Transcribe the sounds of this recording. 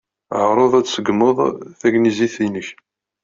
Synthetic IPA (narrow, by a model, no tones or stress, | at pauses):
ʕɾˤoðˤæt͡ssəɡməðˤθæɡniziθinəç